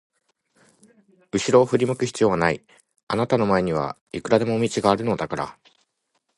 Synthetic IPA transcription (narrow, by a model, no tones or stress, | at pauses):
ɯ̟ɕiɾo̞ːɸɯ̟ɾʲimɯ̟kɯ̟çʲi̥t͡sɨjo̞ːβanai | anat̪ano̞mae̞ɲ̟iβ̞a̰ | ikɯ̟ɾad̪e̞mo̞mʲit͡ɕiɡaːɾɯ̟no̞d̪akaɾa̰